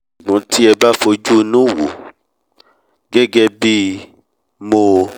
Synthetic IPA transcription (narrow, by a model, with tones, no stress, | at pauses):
ɡ͡bũ˨˦ti˦ɛ˧ba˦fo˧d͡ʒu˦˧nũ˦˨wu˨ | ɡɛ˦ɡɛ˧bi˦ | mo˧